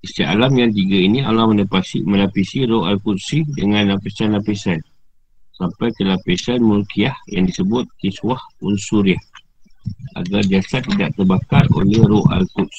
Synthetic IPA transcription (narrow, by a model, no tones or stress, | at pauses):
ist̪iʔa̰lamjaŋt̪iɡainia̰lahmə̃nəpasiməlapisiɾoʔalkut̪̚sidəŋãnapisanlapesan | sampajkəlapesanmurkiahja̰ŋdisəbʊt̪̚kiswahunsuɾiah | ʔa̰ɡard͡ʒasat̪ːidaʔt̪ərbakaro̰lɛhɾoʔa̰lkut̪̚s